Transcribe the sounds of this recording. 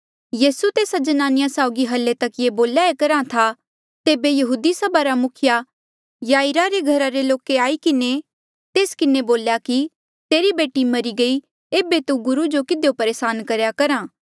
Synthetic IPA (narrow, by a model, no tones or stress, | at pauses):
jiːsut̪eːsad͡ʒɐnaːnɪjasaːʊɡiɦɐlːet̪ɐkjeboːljaekɐɾãt̪ʰa | t̪eːbejɐɦuːd̪isɐbʱaɾamʊkʰja | jaːɪɾaɾeɡʱɐɾaɾeloːkeaːikɪne | t̪eːskɪneboːljaki | t̪eːɾibeːʈimɐɾiɡɐi | eːbet̪uɡʊɾud͡ʒokɪd̪jopɐɾeːsaːnkɐɾjakɐɾãː